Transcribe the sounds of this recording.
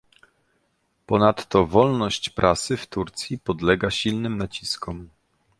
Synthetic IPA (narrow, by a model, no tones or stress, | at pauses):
pɔnat̪ːɔvɔlnɔɕt͡ɕpɾʔasɘft̪uɾt̪sʲjipɔd̪lɛɡaɕilnɘmnat͡ɕiskɔm